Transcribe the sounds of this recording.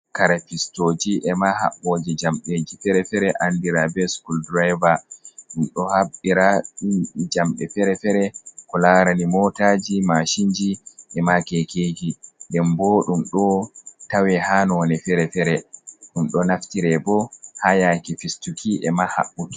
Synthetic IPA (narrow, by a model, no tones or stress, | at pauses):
kaɾafistoːd͡ʒiʔɛmaha̰ɓːoːd͡ʒid͡ʒamɓed͡ʒifɛɾɛfɛɾɛʔandiɾabɛskuldɾajvaɗumɗɔhaɓːiɾaɗud͡ʒamɓɛfɛɾɛfɛɾɛkɔlaɾanimɔtad͡ʒimaʃiɲd͡ʒiʔɛmakɛkeːd͡ʒidɛmbɔɗumɗɔtawɛhanɔnɛfɛɾɛfɛɾɛɗumɗɔnaftiɾɛbɔhajakifistukʰiʔɛmaha̰ɓːut